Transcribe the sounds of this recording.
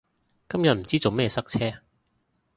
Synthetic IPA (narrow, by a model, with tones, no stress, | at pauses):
kɐ˥mjɐ˨t̚m̩˨˩t͡siː˥t͡so˨wmɛː˥˩sɐ˥k̚t͡sʰɛː˥